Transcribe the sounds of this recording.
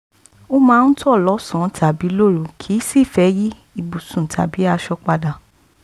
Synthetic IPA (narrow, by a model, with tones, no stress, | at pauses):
o˦mãː˦n̩˦tu˦ɔ˦˨lɔ˨˦sɔ̃˨˦tʰa˨bi˨˦lo˦˨ɾu˨kʰi˨˦si˦˨fɛ˨˦ji˦ | i˧˨bu˨sũ˨tʰa̰˨bi˨˦a˧ʃɔ˧k͡pa˧da˨